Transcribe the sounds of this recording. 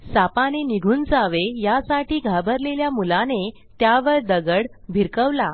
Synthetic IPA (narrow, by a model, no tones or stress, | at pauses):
sapaneniɡʱuːnd͡zaʋejasaʈiːɡʱabəɾleljamulane | t̪jaʋəɾd̪əɡəɽbʱiɾkəʋla